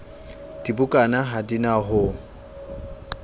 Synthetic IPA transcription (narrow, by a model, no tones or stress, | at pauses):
d̥ibʊkʼanaɦadinaɦʊ